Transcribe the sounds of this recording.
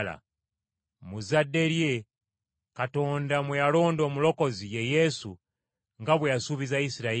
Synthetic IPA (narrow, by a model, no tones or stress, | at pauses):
la̰ | muzadːe̞ɾje̞ | kato̞ːndamwejalo̞ːndo̞ːmulo̞ko̞zije̞je̞sṵ | ŋɡaβwejasuβizaisiɾa